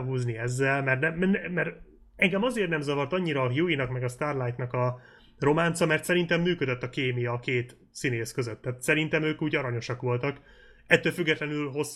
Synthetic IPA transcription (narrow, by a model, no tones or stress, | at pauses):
ɦuːzniɛzːɛlmɛrnɛmɛr | ɛŋɡɛmɒzeːrt̪nɛmzɒvɒrt̪ɒɲːiɾɒːɦjuinɒkmɛɡɒst̪aːrlajt̪nɒkɒ | ro̞maːnt̪sɒmɛrt̪sɛɾint̪ɛmːyːkød̪øt̪ːɒkeːmijɒːkeːt̪ | sineːskøzøt̪ːaːt̪sɛɾint̪ɛmøːkuːɟɒɾɒɲo̞ʃɒkʋo̞lt̪ɒk | ɛt̪ːøːlfyɡːɛt̪lɛnylɦo̞s